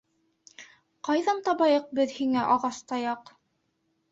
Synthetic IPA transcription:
qɑjðɑnt̪ɑβɑjɤq̚bɘðhiŋæʔɑʁɑst̪ɑjɑq

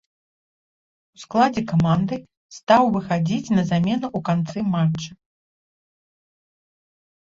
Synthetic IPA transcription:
usklˠad͡zʲɛkamand̪ɨ | st̪awvɨxad͡zʲit͡sʲnɐzamʲɛnɐʔukant̪sɨmat͡ʂɐ

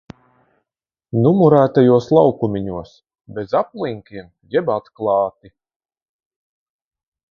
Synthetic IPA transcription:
numuɾæːt̪ajuɔslˠawkumʲiɲuɔs | bezaplˠiŋkʲiɛm | jɛbat̪klˠɑːt̪i

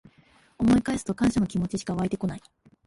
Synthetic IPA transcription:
o̞mo̞ikaesɨ̥t̪o̞kãɰ̃ɕano̞kʲimo̞t͡ɕiɕi̥kaβait̪e̞ko̞nai

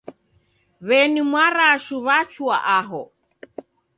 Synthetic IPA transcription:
βɛnimwaɾaʃuβat͡ʃuaʔaɦɔ

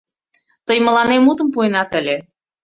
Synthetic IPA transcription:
t̪əjmə̆lɑnemut̪ə̆mpuenɑt̪ə̆lʲe

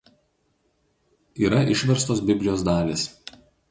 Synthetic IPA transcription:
iːɾɐʔɪʃʲʋʲɛɾst̪oːs̬bʲɪbʲlʲɪjoːsd̪ɑːlʲeːs

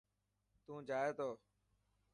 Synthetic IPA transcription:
t̪ũːd͡ʒaːeːt̪oː

